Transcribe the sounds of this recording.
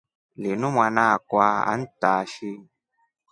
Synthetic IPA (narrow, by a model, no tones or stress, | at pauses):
linũmwanakwaa̰n̩taʃi